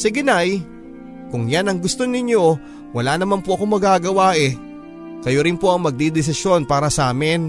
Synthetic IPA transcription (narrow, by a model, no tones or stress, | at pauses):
sɪɡɪnaj | kʊŋjanɐŋɡʊst̪o̞nɪɲjo̞ | wɐlanɐmanpoʔɐko̞mɐɡaːɡɐwaʔɛ | kɐjoɾɪnpo̞ʔɐŋmɐɡ̚d̪id̪ɪs̬ɪsjo̞npaːɾɐsɐʔaːmɪn